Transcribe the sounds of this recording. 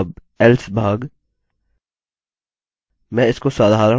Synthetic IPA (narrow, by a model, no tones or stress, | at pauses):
b | ɛlsbʱaːɡ | mɛ̃ːɪskoːsaːd̪ʱɦaːɾa